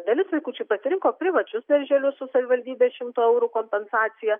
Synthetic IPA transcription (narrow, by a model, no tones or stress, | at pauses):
d̪ɐlʲɪsʋɐɪkuːt͡ʃʲɛpɐsʲɪɾʲɪŋkoːpʲɾʲɪʋɐt͡ʃʲʊsd̪ʲɛɾʲʒʲɛlʲʊsʊsɐʋʲɪʋɐlʲd̪ʲiːbʲeːʃʲɪmt̪oːɛʊɾuːkoːmʲpʲɛnsɑːt̪sʲɪjɛ